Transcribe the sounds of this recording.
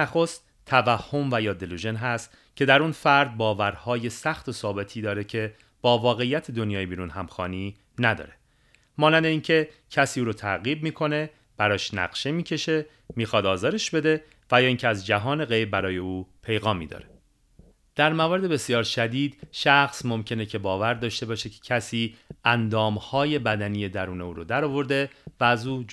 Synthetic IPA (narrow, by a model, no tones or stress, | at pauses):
æxost̪ʰːævæhːo̞mvæjɒːd̪eluʒenɦæst̪ | cʰe̞d̪æɾuːnfæɾd̪̚bɒːvæɾhɒːje̞sæxt̪ʰo̞sɒːbe̞t̪ʰiːd̪ɒːɾe̞cʰe̞ | b̥ɒːvɒːɣe̞ijæt̪ʰed̪onjɒːjebiːɾunɦæmxɒːniː | næd̪ɒ̰ːɾe̞̥ | mɒːnænd̪eiːncʰe̞cʰæsiːuːɾoːt̪ʰæɣiːb̚miːkʰo̞ne̞ | b̥æɾɒːʃnæ̰ɣʃemiːcʰe̞ʃe̞ | miːxɒːd̪ɒːzɒːɾe̞ʃbe̞d̪e̞ | væjɒːiːŋcʰeæzd͡ʒæɦɒːne̞ɣe̞jbbæɾɒːje̞uːpʰe̞jɣɒːmːḭːd̪ɒ̰ːɾe | d̪̥æɾmævɒːɾe̞d̪ebe̞sijɒːɾʃæd̪iːd̪ʃæxsmo̞mcʰe̞ne̞cʰe̞bɒːvæɾd̪ɒːʃt̪e̞bɒːʃecʰe̥cʰæsiːʔænd̪ɒːmhɒːje̞bæd̪æniːje̞d̪æɾuːne̞uːɾod̪æɾɒːvo̞ɾd̪e̞væːzuː